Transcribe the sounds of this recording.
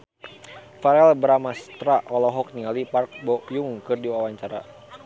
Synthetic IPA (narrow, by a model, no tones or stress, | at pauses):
faɾɛlbɾamast̪ɾaʔɔlɔɦɔk̚niŋalipark̚bɔjuŋkɨrdiwawaɲt͡ʃaɾa̰